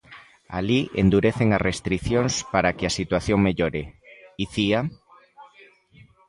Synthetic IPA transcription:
a̰liʔḛnd̪uɾeθeŋarest̪ɾiθjonspaɾakeasit̪waθjoŋmeʎoɾeiθia

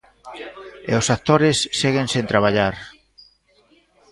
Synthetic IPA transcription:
ḛosak̚t̪oɾɪsːeɣensẽnt̪ɾaβ̞aʎaɾ

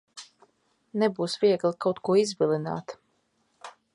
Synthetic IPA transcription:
nɛbuːsviɛɡlˠikawt̪kuɔizbʲilʲˠina̰ːt̪

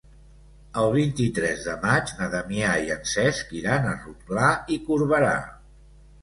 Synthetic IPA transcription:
əlˠβ̞int̪it̪ɾɛzðəmad͡ʒnəðəmiaiənsɛskiɾanəruk̚laikuɾβəɾa̰

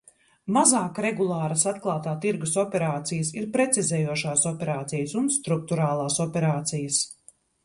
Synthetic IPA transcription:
mazaːkɾɛɡulˠaːɾɐsat̪klˠaːt̪aːt̪iɾɡusɔpʲɛɾaːt̪sijəsiɾpɾɛt̪sʲizɛːjuɔʃaːsɔpʲɛɾaːt̪sijɐsunst̪ɾuk̚t̪uɾaːlˠaːsɔpʲɛɾaːt̪sijɐs

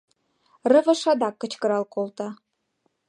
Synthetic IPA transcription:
rɤ̆vɤ̆ʃɑd̪ɑkːə̆t͡ɕkɤ̆ɾɑlˠkolˠt̪ɑ

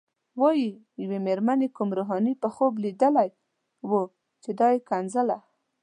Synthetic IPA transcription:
wɑji | jawemeɾmanekumɾoɦɑnipəxoblid̪əlaj | wə | t͡ʃed̪ɑjekanzəla

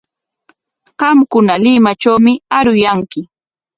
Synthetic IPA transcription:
ɢɑmkʊnalɪmat͡ʃawmɪaɾʊjaŋkɪ

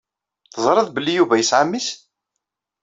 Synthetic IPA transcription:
θəzˤɾˤɑðbəlːijuvæjəsʕamːis

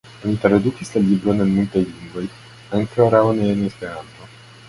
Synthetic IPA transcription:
onit̪ɾaɾad̪ukʲislalibɾonənmult̪ajliŋɡvoj | aŋkəoɾawoneenispeɾant̪o

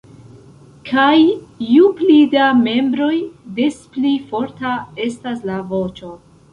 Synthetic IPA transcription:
kʰajjuplidame̞mbɾo̞jde̞splifo̞ɾtae̞staslavo̞t͡ʃo̞

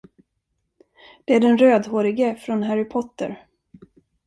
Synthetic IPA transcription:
d̪̥ɛæɖɛnɾøːd̪ɦoːɾɪɡəfɾɔnɦæɾɪpʰɔt̪ːə̰ɾ

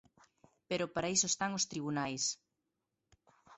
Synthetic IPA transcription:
peɾʊpaɾaisoest̪aŋost̪ɾiβunajs

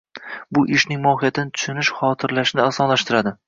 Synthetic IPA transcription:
bʊʔɪʃnɪŋmɒhɪjat̪ʰɪnɪt̪ʰʊ̥ʃʊnɪʃχɒt̪ʰɪɾlaʃnɪasɒnlaʃt̪ɪɾad̪ɪ

